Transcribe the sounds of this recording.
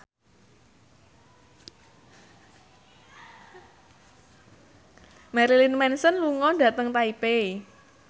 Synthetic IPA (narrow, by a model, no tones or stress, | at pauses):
mɛɾilinmɛnsənluŋɔɖa̤t̪əŋt̪aipe